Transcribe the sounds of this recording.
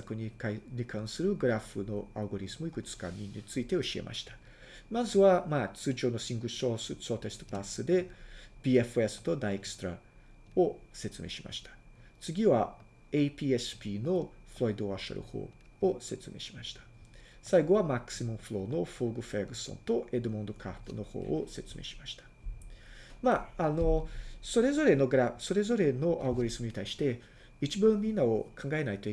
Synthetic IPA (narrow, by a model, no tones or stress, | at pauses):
akɯ̟ɲ̟ikaiɲikʰãɰ̃sɨɾɯ̟ɡɯ̟ɾaɸɯno̞aɯɡo̞ɾʲizɨmoikɯ̟t͡sɨ̥kaɲ̟iɲit͡sɨit̪e̞o̞ɕie̞̰mʔa̰ɕi̥t̪ḁ | mazɨβamaːt͡sɨːʑo̞ːno̞sĩŋɡɯ̟soːsɨsoːt̪e̞sɨ̥t̪o̥pasːɨd̪e̞b̥ʲiːeɸɯ̟esɨ̥t̪o̞d̪aiekɯ̟̥st̪oɾa | o̞se̞t͡sɨme̞̰ːɕima̰ɕi̥t̪ḁt͡sɨɡʲiβa | eipʲiːesɨ̥pʲiːno̞ɸɯ̟ɾo̞id̪o̞βaɕa̰ɾɯ̟̰ho̞̰ː | ose̞t͡sɨme̞̰ɕi̥maɕi̥t̪ʰḁ | saiɡo̞β̞amakɯ̥simõɸɯ̟ɾo̞ːno̞foɡɯ̟ɸeɡɯ̟sːõ̞̰nt̪o̞ʔe̞d̪ɯ̟mõ̞nd̪o̞kʰa̰pːɯ̟̰no̞ho̰ːose̞t͡sɨme̞̰ɕi̥maɕi̥t̪ḁ | maːno̞so̞ɾe̞zo̞ɾe̞no̞ɡɾaso̞ɾe̞zo̞ɾe̞no̞ʔaɯɡo̞ɾizɨmɯ̟ɲ̟it̪aiɕi̥t̪e̞ | it͡ɕibɯ̃mʲĩnːaokʰãŋɡae̞nait̪o̞i